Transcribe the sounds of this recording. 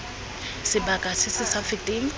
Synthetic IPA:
sɪbakʼasɪsɪsafɪtʼɪŋ̩

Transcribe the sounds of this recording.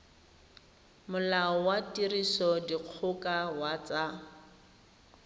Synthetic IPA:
mʊlaɔwatirisɔdiq͡χʰʊkawat͡sa

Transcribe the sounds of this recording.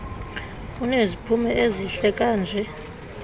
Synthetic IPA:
unezipʰumɛeziɬɛkʼaːnd͡ʒʱɛ

